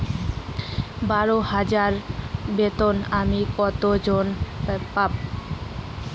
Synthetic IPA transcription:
baɾohad͡ʑaɾbet̪onamikɔt̪od͡ʑonpap̚

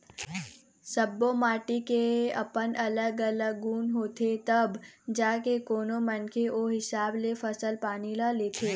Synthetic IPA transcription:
səbːomaːʈikeɐ̰pənɐləɡɐləɡːuːnɦoːt̪ʰet̪ɐbd͡ʒaːkekoːnomənkʰeʔoɦɪsaːblefəsəlpaːnilaleːt̪ʰeː

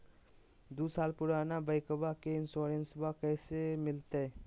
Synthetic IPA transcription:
d̪uːsaːlpʊɾaːnabəɪkəbakeɪnsoːɾẽnsbakɛːsemɪlt̪eɛː

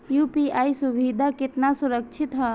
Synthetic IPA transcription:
jupiaːisubʱid̪ʱakɪt̪nasuɾək̚t͡ʃʰit̪ɦə

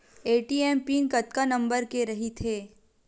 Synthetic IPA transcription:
eːʈiːɛːmpiːnkɐt̪kanɐ̃mbəɾkeɾɐɦit̪ʰeː

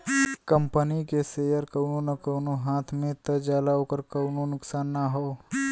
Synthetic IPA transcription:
kəmpənikeseːjəɾkəʊnonɐkəʊnoɦaːt̪ʰmẽt̪əd͡ʒaːlaoːkəɾkəʊnonʊksaːnːaɦoː

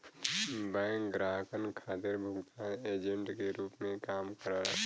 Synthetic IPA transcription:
bɛ̃ŋkɡɾaːɦkənkʰaːt̪ɪɾbʱʊɡt̪aːneːd͡ʒə̃ɳʈkeɾuːpmẽkaːmkəɾaɾ

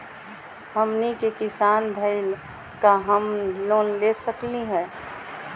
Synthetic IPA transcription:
həmnikekɪsaːnbʱəɪl | kaɦəmloːnlesəkliɦɛ̃ː

